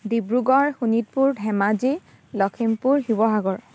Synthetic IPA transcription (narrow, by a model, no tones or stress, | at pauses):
dibɹuɡɔɹxunit̚puɹdʱɛmad͡ʒi | lɔkʰimpuɹhibɔɦaɡɔɹ